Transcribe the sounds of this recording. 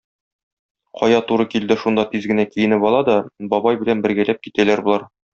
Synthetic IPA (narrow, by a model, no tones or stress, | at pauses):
qɒjɑt̪uɾɤkild̪ɘʃund̪ɑt̪izɡɘ̆nækijɘ̆nɘpɒlˠɑd̪ɒbɒbɑjbɘ̆lænbɘ̆ɾɡælæp̚kit̪ælæɾbulˠɑɾ